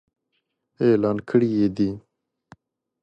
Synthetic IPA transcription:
eːlaːnkʰəɽijeːd̪i

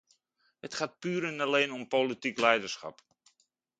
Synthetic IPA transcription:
hətχaːt̚pyːɾənaleːnɔmpolitiklɛjdərsχa̰p

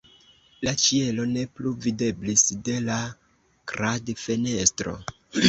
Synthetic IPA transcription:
lat͡ʃie̞lo̞ne̞pluvide̞blisde̞la | ɡ̥ɾadfe̞ne̞stɾo̞̰

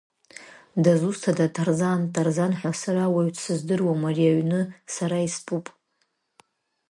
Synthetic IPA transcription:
dazustʰadatʰarzantʰʼarzanħʷasaɾawaɥtʰʼsɨzdɨrwamariaɥnɨsaɾaispʼupʼ

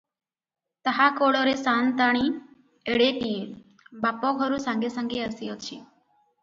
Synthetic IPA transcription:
t̪əɦakoɭɔɾesaːnt̪aɽ̃i | eɽet̪iː | bapɔɡʱɔɾusãŋɡesãŋɡeəsijɔt͡ʃʰi

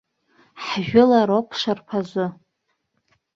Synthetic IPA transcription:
ħʒᶣʊlaɾopʰʂʷarpʰazʷɨ

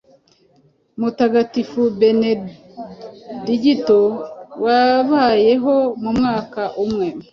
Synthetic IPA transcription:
mutaɡatifube̞ne | diɟitowaβaːje̞ɦo̞mumŋaːkaʔumŋe

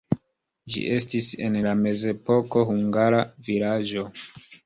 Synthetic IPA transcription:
d͡ʒḭʔe̞stise̞̰nlame̞ze̞po̞ko̞ɦuŋɡaɾavilad͡ʒo̞

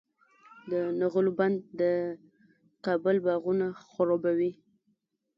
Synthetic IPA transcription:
d̪ənaɣʊluband̪̚ːə | qɑbəlbɑɣunaxʊɾobawi

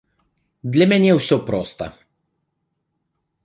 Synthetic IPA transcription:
d̪lʲɛmɛnʲijɛwsʲopɾɔst̪a̰

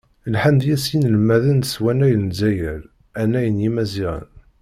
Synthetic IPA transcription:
lħamd̪jæsinəlmæðənəswænæjənzæjæl | ænːæjənjimæziʁə̰n

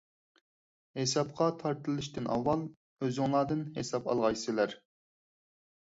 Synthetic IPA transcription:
hesɑp̚qʰɑt̪ʰɑɾt̪ʰɨlˠɨʃt̪ɪnʔɑ̰wːɑlˠ | øzɪŋlˠɑːd̪ɨnɦesɑpɑ̰lˠʁɑjsɨlæɾ

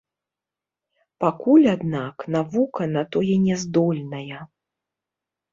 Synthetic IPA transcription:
pakulʲad̪naknavukɐnat̪ɔjɛnʲɛzd̪ɔlʲnɐjɐ

